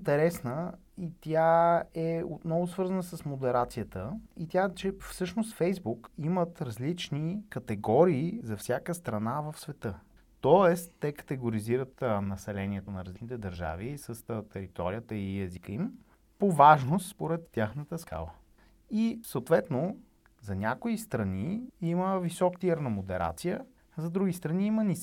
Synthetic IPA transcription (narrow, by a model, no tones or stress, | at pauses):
int̪ɛɾɛsnə | it̪jaɛot̪nɔvʊsvɤɾzənəsəsmod̪ɛɾat̪sijət̪əit̪ʲat͡ʃɛfsɤʃnost̪fɛjzbukimət̪ɾɐzlit͡ʃnikɐt̪ɛɡɔɾiːzɐfsʲjakəst̪ɾɐnavəfsvɛt̪ɤ | t̪ɔɛst̪ːɛkə̥t̪ɛɡoɾiziɾət̪nɐsɛlɛniɛt̪onɐɾɐzlinit̪ɛd̪əɾʒa̰visəst̪ɛɾit̪ɔɾijət̪əiɛzikəim | povaʒnost̪spoɾɛt̪ːʲjaxnət̪əska̰lˠə | isəot̪vɛt̪no | zɐnʲakoist̪ɾɐniiməvisɔkt̪iəɾnəmod̪ɛɾʔa̰t̪sijə | zɐd̪ɾuɡist̪ɾɐniimənis